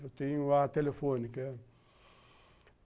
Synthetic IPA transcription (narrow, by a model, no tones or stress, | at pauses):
oteiŋwatelefonikɛ